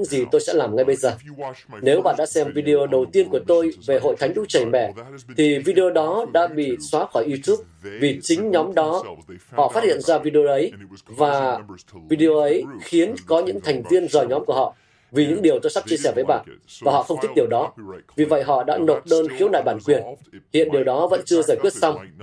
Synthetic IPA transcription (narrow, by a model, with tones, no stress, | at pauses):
ɲɨ̰˧˥ŋzi˨˩t̪o˧jsɛ̰˧˥laː˨˩mŋa˧jɓə˧jzəː˨˩ne˨˦wɓa̰ː˧˨nɗa̰ː˧˥sɛ˧mvi˧ɗi˧o˧ɗə˨˩wt̪i˧ənku˧˩ət̪o˧jve˨˩ɦo̰˧˨jt̪ʰa˨˦jŋɗu˨˦˥t͡ɕə˨˩jmɛ̰˧˨t̪ʰi˨˩vi˧ɗi˧o˧ɗɔ˨˦ɗa̰ː˧˥ɓḭ˧˨swaː˨˦xɔː˧˩jʔi˧t̪u˦˥p̚vi˨˩t͡ɕï˨˦ŋ̟ɲɔ˨˦mɗɔ˨˦hɔ̰˧˨fa˦˥t̚hḭ˧˨ənzaː˧vi˧ɗi˧o˧ʔə˨˦jvaː˨˩vi˧ɗi˧o˧ʔə˨˦jxi˨˦ənkɔ˨˦ɲɨ̰˧˥ŋt̪ʰa˨˩jŋ̟t̪i˧ənzəː˨˩jɲɔ˨˦mku˧˩əhɔ̰˧˨ | vi˨˩ɲɨ̰˧˥ŋɗi˨˩əwt̪o˧jsa˦˥p̚t͡ɕi˧əsɛ˧˩vəː˨˦jɓaː˧˨nvaː˨˩hɔ̰˧˨xə˧wŋ͡mt̪i˦˥ɗi˨˩əwɗɔ˨˦vi˨˩və̰˧˨jɦɔ̰˧˨ɗa̰ː˧˥no˨˩t̚ɗəː˧nxi˨˦əwna̰ː˧˨jɓaː˧˩nkwi˨˩ənhḭ˧˨ənɗi˨˩əwɗɔ˨˦və̰˧˥nt͡ɕɨ˧əzaː˧˩jkwi˦˥ət̚sa˧wŋ͡m